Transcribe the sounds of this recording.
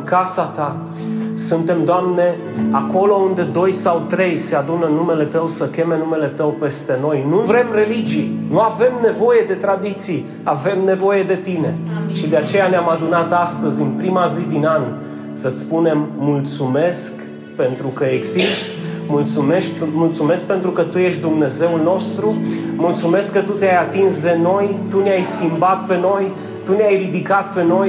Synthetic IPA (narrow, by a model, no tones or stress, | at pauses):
kasat̪a | sunt̪e̞md̪oamne̞ | ako̞lo̞und̪e̞d̪o̞jsawt̪ɾe̞jse̞ad̪unənume̞le̞t̪əwsəkʲe̞me̞nume̞le̞t̪əwpe̞st̪e̞no̞jnuvɾe̞mre̞lid͡ʒijnuave̞mne̞vo̞je̞d̪e̞t̪ɾad̪it̪sij | ave̞mne̞vo̞je̞d̪e̞t̪ine̞ʃid̪e̞at͡ʃe̞janeamad̪unat̪ast̪əzʲɨnpɾimazid̪inan | sət̪sʲpune̞mːult̪sume̞sk | pe̞nt̪ɾukəeɡziʃt̪mult̪sume̞ʃkmult̪sume̞sk̚pe̞nt̪ɾukət̪uje̞ʃt̪d̪umne̞ze̞ulno̞st̪ɾumult̪sume̞skːət̪ut̪eajat̪insd̪e̞no̞jt̪uneajskʲimbat̪pe̞no̞j | t̪uneajrid̪ikat̪̚pe̞no̞j